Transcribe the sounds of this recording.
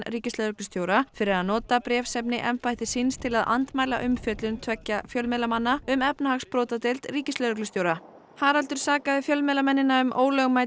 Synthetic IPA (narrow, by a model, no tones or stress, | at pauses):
riːcɪst̪œðɾʏklʏst̪joːwɾafɪɾɪɾaðnɔːt̪apɾɛːfsɛpnɪʔɛmpajt̪ɪsinst̪ʰɪlaða̰nt̪maːjla̰ʔʏmfjœt̪lʏnt̪ʰvɛcːafjœlmɛlamanːaʏmɛpnahaxspɾowt̪at̪ejlt̪riːcɪst̪œðɾʏklʏst̪joːwɾa | haɾalt̪ʏɾ̥saːkaðɪfjœlmɛlamɛnːɪnaʏmʔo̰ːwlœɣmaːj